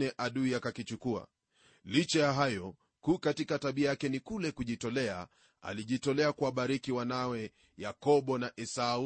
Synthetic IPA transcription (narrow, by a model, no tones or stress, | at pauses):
nɛʔaɗuiakakit͡ʃukua̰ | lit͡ʃɛjaɦajɔ | kuːkatikataɓiajakɛnikulɛkuʄitɔlɛa̰ | a̰liʄitɔlɛakuaɓaɾikiwanawɛ | jakɔɓɔnaʔɛsau